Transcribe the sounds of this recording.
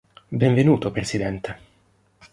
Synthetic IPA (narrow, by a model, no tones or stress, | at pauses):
bɛɱvenuːt̪opɾesid̪ɛnt̪e